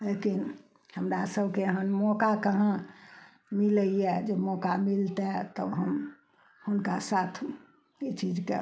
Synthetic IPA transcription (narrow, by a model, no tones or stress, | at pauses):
lekin | həmɾasəbkeɦənmɔkakəɦã | miləijɛd͡ʒemɔkamilt̪et̪əɦəm | hunkasat̪ʰ | it͡ʃid͡ʒkḛ